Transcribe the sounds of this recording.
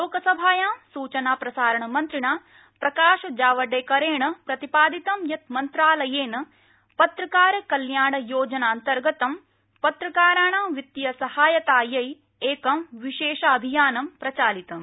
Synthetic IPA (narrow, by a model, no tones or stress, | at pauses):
loːkɐsɐbʱaːjaːmsuːt͡ʃɐnaːpɾɐsaːɾɐɳɐmɐnt̪ɾiɳaː | pɾɐkaːʃɐd͡ʒaːʋɐɖeːkɐɾeːɳɐpɾɐt̪ipaːd̪it̪ɐmjɐt̪̚mɐnt̪ɾaːlɐjeːnɐ | pɐt̪ɾɐkaːɾɐkɐljaːɳɐjoːd͡ʒɐnaːnt̪ɐɾɡɐt̪ɐm | pɐt̪ɾɐkaːɾaːɳamʋit̪ːijɐsɐhaːjɐt̪aːjɐj | eːkɐmʋiʃeːʃɐɐbʱijaːnɐmpɾɐt͡ʃaːlit̪ɐm